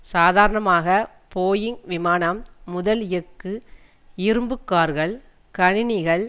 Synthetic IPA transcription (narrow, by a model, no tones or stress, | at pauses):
saːðaːɾɐɳɐmaːɣɐ | poːjɪŋʋɪmaːnɐmːʊðɐljɛkːɯ | ɪɾɯmbɯkːaːɾɣɐɭ | kɐɳɪnɪɣɐɭ